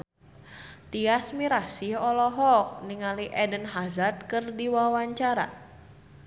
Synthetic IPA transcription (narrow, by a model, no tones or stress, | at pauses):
t̪iasmiɾasihɔlɔɦɔk̚niŋaliʔɛdənɦazat̪̚kɨrdiwawaɲt͡ʃaɾa̰